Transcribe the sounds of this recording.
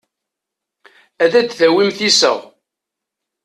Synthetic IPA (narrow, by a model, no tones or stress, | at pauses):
æðæd̪θæwimθisə̰ʁ